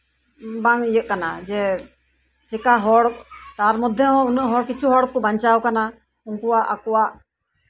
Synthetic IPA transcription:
baŋijəʔ̚kanad͡ʒɛ | d͡ʒɛkaɦɔɽkt̪aɾmɔd̪ʱjɛɦɔ̃unəʔɦɔɽkit͡ʃʰuɦɔɽkɔbaɲt͡ʃawkana | unkuaʔakuwaʔ

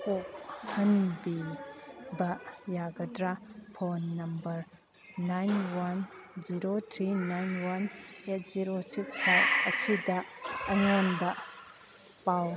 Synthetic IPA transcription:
ok̚hɐnbi | bɐjaɡɐdɾapʰonːɐmbɐɾ | najnwɐnziɾot̪ʰɾinajnwɐnet̚ʰziɾosikspʰajkɐsidɐːŋonbɐ | paw

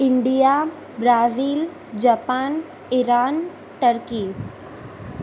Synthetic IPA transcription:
ɪɳɖija | bɾaːziːl | d͡ʒapaːn | iɾaːn | ʈəɾkiː

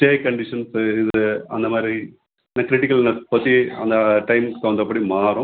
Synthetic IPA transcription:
ʈeːkɐɳɖɪʂɐnsɪðɯɐnd̪ɐmaːd̪ɾi | nɐkɾɪʈɪkːɐlnɐspɐt̪ːiɐnd̪ɐʈɐɪmkt̪ːɐʋɐnd̪ɾɐpːɐɽimaːɾʊ̃

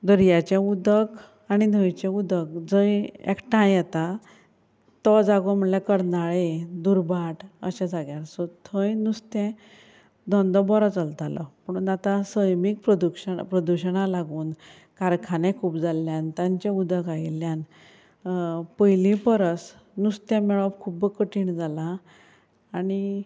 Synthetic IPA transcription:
d̪əɾjat͡ɕẽud̪ək | añinʱəjt͡ɕẽud̪əkd͡zəjḛkʈãjɛt̪a | t̪ɔd͡zaɡɔm̤əɳljakəɾnaɭed̪uɾbʱaʈə̰ɕɛ̃d͡zaɡjaɾsɔt̪ʰəjnust̪ɛ̃ | d̪ɔ̃nd̪ɔbɔɾɔt͡səlt̪alɔ̰pəɽ̃unat̪ãsəjmik̚pɾəd̪ukɕəpɾəd̪uɕəɳalaɡuːn | kaɾkʰanɛ̃kʰuːpd͡zalːjãnt̪jãɲt͡ɕãud̪əkailjan | pəjlĩpəɾəs | nust̪ɛ̃mɛɭɔbkʰubkəʈiɳd͡zalãː | ɽi

